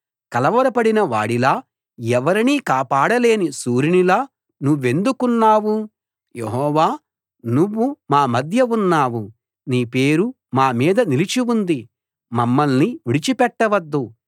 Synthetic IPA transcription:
kɐlɐʋɐɾɐpɐɽinɐʋa̰ːɽilaː | ɛʋɐɾiniːkaːpaːɽɐle̞ːnisuːɾinilaː | nuʋːe̞nd̪ukunːaːwu | jeɦɔːʋaː | nuʋːumaːmɐd̪ʱjɐunːaːʋu | niːpe̞ːɾu | maːmiːd̪ɐnilit͡ʃiwund̪i | mɐmːɐlniʋiɽit͡ʃipɛʈːɐʋɐd̪ːu

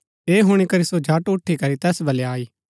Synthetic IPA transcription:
eːɦʊɽ̃ikɐɾisod͡ʒʱaʈʊʈʰːikɐɾit̪ɛːsbʱɐleaːiː

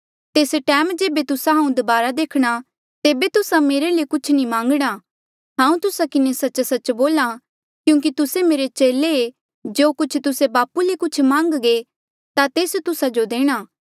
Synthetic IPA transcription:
t̪eːsʈɛːmd͡ʒeːbet̪ʊsaɦãːũd̪ʊbaːɾad̪eːkʰɽ̃a | t̪eːbet̪ʊsãmeːɾelekʊt͡ʃʰnimãːŋɡɽ̃a | ɦãːũt̪ʊsakɪnesɐt͡ʃsɐt͡ʃːboːla | kjũːk̬it̪ʊsemeːɾet͡ʃeːlee | d͡ʒoːkʊt͡ʃʰt̪ʊsebaːpulekʊt͡ʃʰmãːŋɡɡe | t̪at̪eːst̪ʊsad͡ʒod̪eːɽ̃aː

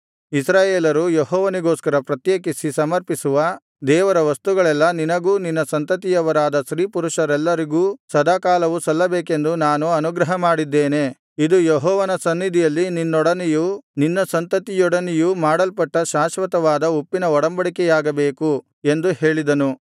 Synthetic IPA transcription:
isɾaːjeːlɐɾujeɦɔːʋɐniɡoːskɐɾɐpɾɐt̪jeːk̬isisɐmɐɾpisuʋɐ | d̪ɛːʋɐɾɐʋɐst̪uɡɐɭɛlːɐninɐɡuːninːɐsɐnt̪ɐt̪̬ijɐʋɐɾaːd̪ɐʃɾiːpuɾuʃɐɾɛlːɐɾiɡuːsɐd̪aːkaːlɐʋusɐlːɐbeːke̞nd̪unaːnuɐnuɡɾɐɦɐmaːɽid̪ːeːne̞ | id̪ujeɦɔːʋɐnɐsɐnːid̪ʱijɐlːininːɔɽɐnijuninːɐsɐnt̪ɐt̪ijɔɽɐnijumaːɽɐlpɐʈːɐʃaːʃʋɐt̪ɐʋaːd̪ɐupːinɐɔɽɐmbɐɽikɛjaːɡɐbeːku | e̞nd̪uhe̞ːɭid̪ɐnu

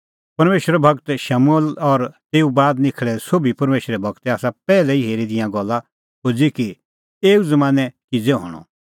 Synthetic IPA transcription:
pɐɾmeːʃɾɛbʱɐɡt̪ʃamuəlɔɾt̪eːubaːd̪nɪkʰɭɛsoːbipɐɾmeːʃɾɛbʱɐɡt̪ɛaːsapɛːlɛiɦeːɾid̪ɪjãɡɔlːa | ɦoːd͡ziki | eːuzɐmãːnɛkɪd͡zɛɦɔ̰ːɽ̃ɔ̰̃

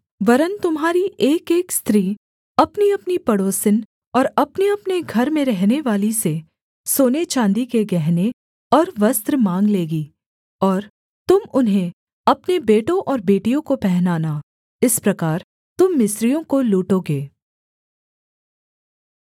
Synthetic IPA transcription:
ʋɐɾənt̪ʊmɦaːɾiʔeːkeːkst̪ɾiː | ɐpniɐpnipɐɽoːsɪn | ɔːɾɐpneɐpneɡʱɐɾmẽɾɛɦneʋaːlise | soːnet͡ʃãːnd̪ikeɡɛɦne | ɔːɾʋɐst̪ɾəmãːŋɡleːɡiː | ɔːɾ | t̪ʊmʊnɦẽ | ɐpnebeːʈõʔɔːɾbeːʈijõkopɛɦnaːna | ɪspɾɐkaːɾ | t̪ʊmːɪsɾijõkoluːʈoːɡeː

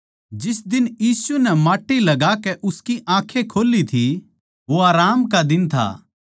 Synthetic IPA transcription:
d͡ʒɪsd̪ɪnjiːsunɛmaːʈːilɐɡakɛʔʊskiʔãːkʰekʰoːlit̪ʰi | ʋoaːɾaːmkad̪ɪnt̪ʰa̰ː

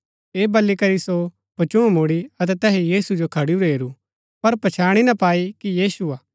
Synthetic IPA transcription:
eːbɐlːikɐɾiso | pɐt͡ʃʊ̃moːɽiɐt̪̬ɛt̪ɛːɦejiːsud͡ʒokʰɐɽiuɾeːɾu | pɐɾpɐt͡ʃʰaːɽ̃inɐpaːikijiːsuaː

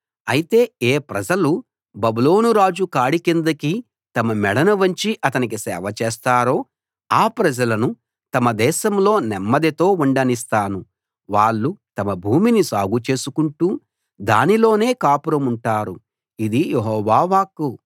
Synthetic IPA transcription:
ɐjit̪e̞ːeːpɾɐd͡ʒɐlu | bɐbulo̞ːnuɾaːd͡ʒukaːɽikind̪ɐki | t̪ɐmɐmɛɽɐnɐʋɐɲt͡ʃiʔɐt̪ɐnik̬isɛ̰ːʋɐt͡ʃɛːst̪aːɾo̞ː | aːpɾɐd͡ʒɐlɐnu | t̪ɐmɐd̪ɛːʃɐmlo̞ːnɛmːɐd̪it̪o̞ːuɳɖɐnis̬t̪aːnu | ʋaːɭːut̪ɐmɐbʱuːminisaːɡut͡ʃe̞ːsukuɳʈuː | d̪a̰ːnilo̞ːne̞ːkaːpuɾɐmuɳʈaːɾu | id̪ijeɦɔːʋaːʋaːku

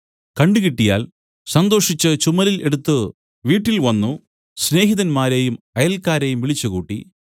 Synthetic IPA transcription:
kɐɳɖɨkiʈːija̰ːl | sɐnd̪o̞ːʂit͡ɕːɨt͡ɕumɐlile̞ɽut̪ːɨ | ʋiːʈːilʋɐnːu | sne̞ːɦiðɐnmaːɾejum | ɐjɐlkaːɾejumʋiɭit͡ɕːukuːʈːḭ

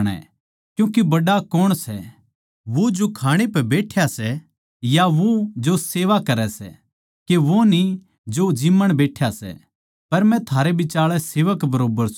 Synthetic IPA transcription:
ɽ̃ɛ̰̃ | kjũːkebɐɖakɔɽ̃sɛ | ʋod͡ʒokʰaːɽ̃epɛbeːʈʰjasɛ | jaʋod͡ʒoseːʋakɐɾɛsɛ̰ | keʋoni | d͡ʒod͡ʒimːəɽ̃beːʈʰjasɛ̰ | pɐɾmɛ̃t̪ʰaːɾebɪt͡ʃaːɭɛseːʋəkbɐɾoːbəɾs

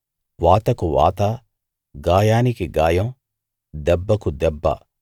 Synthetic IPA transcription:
ʋaːt̪ɐkuʋa̰ːt̪ɐ | ɡaːjaːnikiɡaːjɐm | d̪ɛbːɐkud̪ɛbːɐ̰

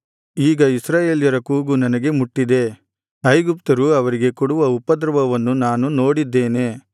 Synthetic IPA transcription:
iːɡɐisɾaːje̞ːljɐɾɐkuːɡunɐnɐɡe̞muʈːid̪e̞ | ɐjɡup̚t̪ɐɾuɐʋɐɾiɡe̞kuɽuʋɐupːɐd̪ɾɐʋɐʋɐnːunaːnuno̞ːɽid̪ːe̞ːne̞

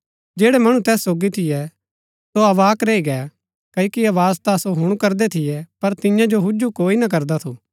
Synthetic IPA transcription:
d͡ʒeːɽɛmɐɽ̃ũt̪ɛːsːoːɡit̪ʰɪjɛ | soɐʋaːkɾeːiɡɛ | kɐjkiɐʋaːzt̪asoɦʊɽ̃ukɐɾd̪ɛt̪ʰɪjɛpɐɾt̪ɪjãd͡ʒoɦʊd͡ʒukoːinɐk̬ɐɾd̪at̪ʰuː

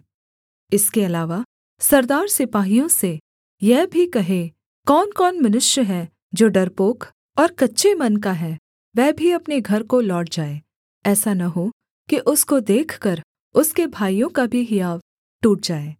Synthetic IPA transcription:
ɪskeɐlaːʋa | sɐɾd̪aːɾsɪpaːɦijõse | jɛɦbʱikɐɦe | kɔːnkɔːnmɐnʊʃjəɦɛ | d͡ʒoːɖɐɾpoːk | ɔːɾkɐtːʃʰemɐnkaɦɛ | ʋɛːbʱiɐpneɡʱɐɾkolɔːʈ̚d͡ʒaːeː | ɛːsanɐɦo | kiʔʊskod̪eːkʰkɐɾ | ʊskebʱaːijõkabʱiɦɪjaːʋ | ʈuːʈ̚d͡ʒaːeː

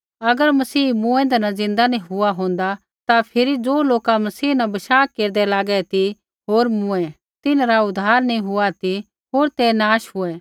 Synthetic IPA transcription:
ɐɡəɾmɐsiːmʊ̃ɛ̃nd̪ɛnɐd͡zɪ̃nd̪anĩɦʊaɦõːn̆d̪a | t̪apʰɪɾid͡zoːloːkamɐsiːnɐbɐʃaːkeːɾd̪ɛlaːɡɛt̪i | ɦoːɾmʊ̃ɛ̃ | t̪ɪnɾaʊd̪ʱːaːɾnĩɦʊat̪i | ɦoːɾt̪ɛnaːʃɦʊɛ

